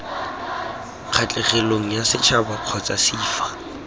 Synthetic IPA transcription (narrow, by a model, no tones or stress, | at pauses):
q͡χʰat͡ɬʼɛχeloŋ̩jasɪt͡ʃʰabaq͡χʰɔt͡sʼasiːfḁ